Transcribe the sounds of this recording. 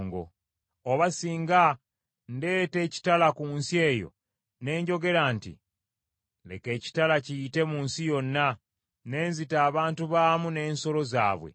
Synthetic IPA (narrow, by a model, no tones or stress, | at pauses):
ŋɡo̰ | oβasiːŋɡa | nde̞ːte̞ːci̥talakuːnsie̞ːjo̞̰ | ne̞ːɲɟo̞ɡe̞ɾantḭ | le̞̰ke̞ːci̥talacijite̞muːnsijo̞nːa | ne̞ːnzitaːβaːntuβaːmune̞ːnso̞lo̞za̰ːβwe̞̰